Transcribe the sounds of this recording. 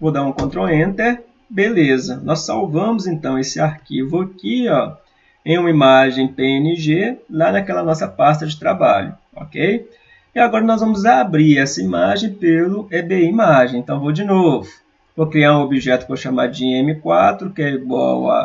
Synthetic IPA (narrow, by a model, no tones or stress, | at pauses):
vod̪aɾũkõt̪ɾoẽnt̪ɛ | belezɐnʔɔsawvɐ̃mʊzẽnt̪ɐ̃w̃esɪaɾkivʊakiɔ | ẽj̃ũmɐimaʒẽj̃peenɪʒelanɐkɛlɐnɔsɐpast̪ɐd͡ʒɪt̪ɾaba̰ʎʊ | ɔ̰kej | ɪaɡɔɾɐnɔzvɐ̃mʊzabɾiɾɛsɐimaʒẽj̃pelʊed̪eimaʒẽj̃ẽt̪ɐ̃w̃vowd͡ʒɪnovʊ | vokɾiaɾũobiʒɛt̪ʊkɪvoʃama̰ɾd͡ʒiẽmɪkwat̪ɾʊkɪɛiɡwa̰wɐ̰